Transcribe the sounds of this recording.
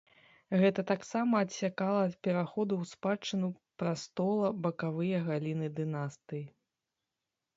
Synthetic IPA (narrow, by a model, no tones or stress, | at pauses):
ɣɛt̪ɐt̪aksamɐːt̪sʲakalˠɐːt̪pʲɛɾaxɔd̪uwspat͡ʂːɨnu | pɾast̪ɔlˠɐbɐkavɨjɐɣalʲinɨd̪ɨnast̪ɨji